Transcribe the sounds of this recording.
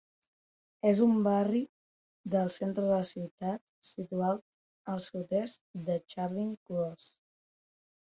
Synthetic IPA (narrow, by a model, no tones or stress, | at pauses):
ezumbari | d̪əlˠsent̪ɾəðələsiwt̪at̪̚sit̪uat̪̚ | əlˠsut̪ɛst̪d̪ət͡ʃaɾliŋkulos